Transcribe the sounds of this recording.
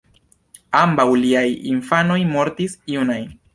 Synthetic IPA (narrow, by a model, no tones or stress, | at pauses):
ambawliajḭnfano̞jmo̞ɾtisiunajn